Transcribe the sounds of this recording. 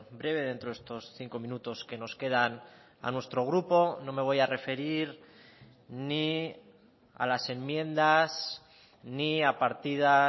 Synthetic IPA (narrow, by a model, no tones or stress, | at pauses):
bɾe̞βe̞ðe̞nt̪ɾoest̪o̞sθiŋko̞mĩnut̪o̞ske̞no̞ske̞ð̞an | a̰nwe̞st̪ɾo̞ɣ̞ɾupo̞no̞me̞β̞o̞jare̞fe̞ɾiɾ | ni | a̰lase̞mmjẽ̞nd̪as | niapaɾt̪ið̞a